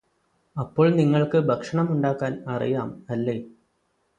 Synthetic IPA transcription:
ɐpːo̞ːɭniŋːɐɭkɨbʱɐkʂɐɳɐmuɳɖaːkːaːnɐrḭjaːmɐlːe̞ː

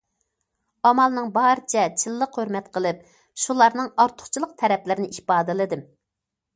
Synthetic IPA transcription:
ɑmɑlˠnɨŋbɑɾɨt͡ʃʰɛt͡ʃʰɨlˠːəqhøɾmɛt̪qʰəlˠɨp̚ | ʃulˠɑɾnɨŋɑɾt̪ʰʊ̥χt͡ʃʰilˠəq̚t̪ʰɛɾɛplɪɾɪnɪipɑːd̪ɨlˠɨd̪ɨm

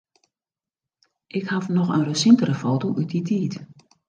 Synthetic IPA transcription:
ʔɪkhafnɔxənrəsintərəfoːtoʔyt̚ditʰiːt

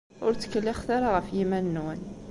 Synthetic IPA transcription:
ʊɾt͡sːə̥kːəlːiχθɑɾˤɑʁəfjimænːwən

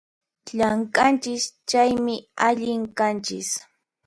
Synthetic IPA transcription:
ʎaŋkʼant͡ʃɪst͡ʃajmɪaʎɪŋkant͡ʃɪ̰s

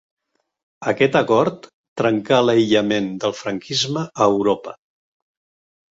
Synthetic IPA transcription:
əkɛt̪əkɔɾt̪ː | ɾəŋkaləjʎəmend̪əlˠfɾəŋkʰizməəːwɾopə

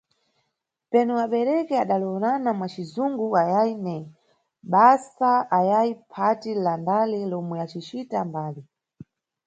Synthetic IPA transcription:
pɛnuaɓɛɾɛkɛaɗalɔɔnanamwat͡ʃizuŋɡuajainɛ | ɓasaajaipʰatilandalɛlɔmwɛat͡ʃit͡ʃitambaːli

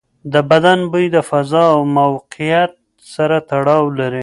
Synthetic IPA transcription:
d̪əbad̪anbəjd̪əfazɑawmawqijat̪̚ | saɾat̪aɽɑwlaɾi

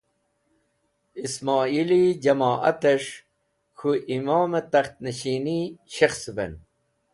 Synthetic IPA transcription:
ismɑːilid͡ʑɐmaːʔɐ̰t̪eʂ | kʰuʔimaːmet̪ɐxt̪neɕiːniɕɐxsbḛn

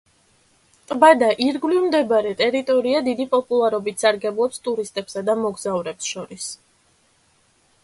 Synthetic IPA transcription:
t̪ʼbad̪aʔiɾɡlivmd̪ɛbaɾɛt̪ʼɛɾit̪ʼɔɾiad̪id̪ipʼɔpʼulˠaɾɔbit̪ʰsaɾɡɛblˠɔpst̪ʼuɾist̪ʼɛbsad̪amɔɡzavɾɛpsʃɔɾis

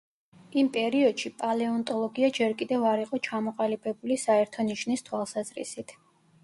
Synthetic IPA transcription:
impʼɛɾiɔd̪̥ʃipʼalɛɔnt̪ʼɔlˠɔɡiad͡ʒɛɾkʼid̪ɛvaɾiqʼɔt͡ʃʰamɔqʼalibɛbulisaɛɾt̪ʰɔniʃnist̪ʰwalˠsazɾḭsit̪ʰ

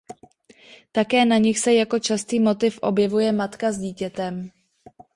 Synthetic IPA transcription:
t̪akɛːnaɲɪxsɛjako̞t͡ʃast̪iːmo̞t̪ɪfʔo̞̰bjɛvujɛmat̪kazɟiːcɛt̪ɛm

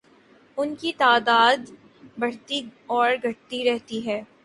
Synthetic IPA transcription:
ʊnkit̪aːd̪aːd̪ | bɐɽ̤t̪iɔːɾɡʱɐʈt̪iɾɛɦt̪iɦɛː

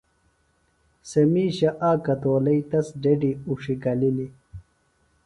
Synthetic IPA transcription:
sɐmiːɕɐʔaːkɐt̪oːlɐit̪ɐsɖeɖiuʂiɡɐlili

